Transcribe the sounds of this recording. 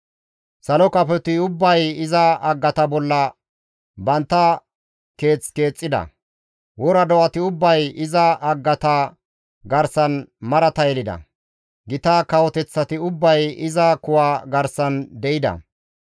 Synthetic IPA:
sɐlɔkɐpɛt̪ɪʊbːɐjɪzɐɐɡːɐt̪ɐbɔlːɐ | bɐnt̪ːɐ | ke̞ːt͡ske̞ːt͡sʼːɪd̪ɐ̰ | wɔɾɐd̪ɔʔɐt̪ɪʊbːɐjɪzɐːɡːɐt̪ɐ | ɡɐɾsɐnmɐɾɐt̪ɐjlɪd̪ɐ̰ | ɡɪt̪akɐwɔt̪ɛt͡sːɐt̪ɪʊbːɐjɪzɐkʊwaːɡɐɾsɐnd̪ɛʔɪd̪ɐ̰

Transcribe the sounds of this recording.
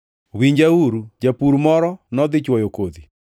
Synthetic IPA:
wiɲd͡ʒauɾud͡ʒapuɾumɔɾɔnɔðɪt͡ʃwɔjokoði

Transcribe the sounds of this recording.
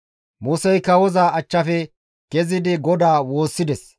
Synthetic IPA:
muːsɛjkɐwɔzaɐt͡ʃːɐfɛ | ɡ̥ɛzɪd̪ɪɡɔd̪aːwo̞ːsːɪd̪ɛs

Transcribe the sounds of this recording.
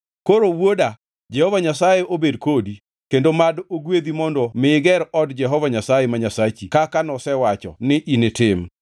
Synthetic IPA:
koɾowwoda | d͡ʒɛhɔvaɲasajeʔobedkodi | kendomadoɡwed̪imɔndɔmɪɡɛɾɔdd͡ʒɛɦɔvaɲasajɛmaɲasat͡ʃikakanɔsɛwat͡ʃɔ̰nɪʔinɪtɪm

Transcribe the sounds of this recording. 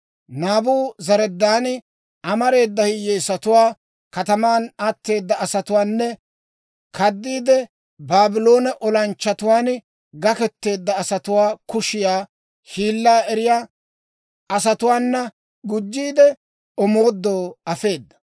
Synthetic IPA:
naːbuːzɐɾɛd̪ːaːn | ɐmɐɾe̞ːd̪ːɐhɪjeːsɐt̪ʊwaː | kɐt̪ɐmaːnat̪ːe̞ːd̪ːɐɐsɐt̪ʊwaːnːɛ | kʰɐd̪ːiːd̪ɛ | baːbɪlo̞ːnɛʔɔlɐnt͡ʃːɐt̪ʊwaːn | ɡɐkɛt̪ːe̞ːd̪ːɐːsɐt̪ʊwaːkʊʃɪjaː | hiːlːaːɛɾɪjaː | ɐsɐt̪ʊwaːnːɐ | ɡʊd͡ʒːiːd̪ɛ | ɔmo̞ːd̪ːoːɐfe̞ːd̪ːɐ̥

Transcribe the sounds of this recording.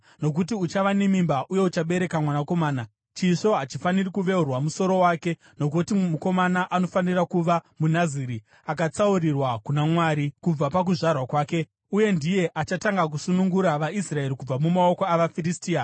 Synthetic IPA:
no̞k̬ut̬iut͡ʃaʋane̞mimbaʔuje̞ut͡ʃaɓe̞ɾe̞kamwanako̞maːna | t͡ʃiʂo̞ɦat͡ʃifanirikuʋe̞urwamuso̞ɾo̞waːke̞ | no̞k̬utimuko̞manaʔano̞fanirakuʋamunaziɾi | ak̬at͡saurirwakunamwaɾikub͡vapak̬uʐarwakwaːke̞ | uje̞ndije̞ʔat͡ʃataŋɡak̬usunuŋɡuɾaʋaisrae̞ɾikub͡vamumao̞koaʋafiristiːa

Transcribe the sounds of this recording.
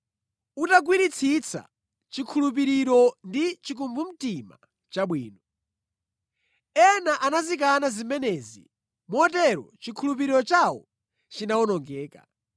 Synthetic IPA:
utaɡwinit͡sʰit͡sʰa̰ | t͡ʃikʰulup̬iɾiɾɔndit͡ʃik̬umvum̩tima̰ | t͡ʃaɓwiːnɔ | ɛnaʔanazik̬anazimɛnɛːzḭ | muɔt̬ɛɾɔt͡ʃikʰulup̬iɾiɾɔt͡ʃawɔ̰ | t͡ʃinaɔnɔŋɡɛːka̰

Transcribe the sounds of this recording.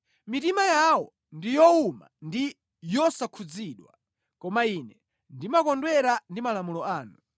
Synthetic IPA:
mitimajawɔ | ndijɔuma̰ndi | jɔsakʰud͡ziɗwa | kɔmainɛ | ndimakɔndwɛɾandimalamulɔaːnu

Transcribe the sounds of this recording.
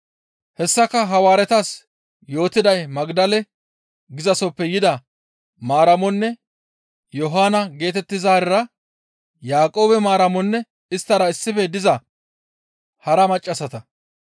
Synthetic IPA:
hɛsːɐkːɐɦɐwaːɾɛt̪ɐs | jo̞ːt̪ɪd̪ɐjmɐɡd̪ɐlɛ | ɡɪzɐsɔpːɛjɪd̪ɐ | maːɾɐmɔnːɛ | jɔɦaːnɐɡe̞ːt̪ɛt̪ːɪzaːɾɪɾɐ | jaːkʼo̞ːbɛmaːɾɐmɔnːɛ | ɪst̪ːɐɾɐɪsːɪfɛd̪ɪzɐ | hɐɾɐmɐt͡ʃʼːɐsɐt̪ɐ

